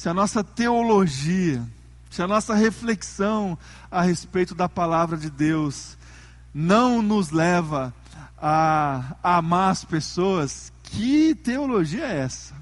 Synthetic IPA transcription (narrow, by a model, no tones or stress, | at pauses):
sɪɐnɔsɐt̪eoloʒiɐ | sɪɐnɔsɐɦefleksɐ̃w̃ | ɐɦespejt̪ʊd̪ɐpalavɾɐd͡ʒɪd̪ews | nɐ̃w̃nʊzlɛvɐ | a | amaɾɐspesoɐskʰɪt̪eoloʒiɐɛɛsɐ̥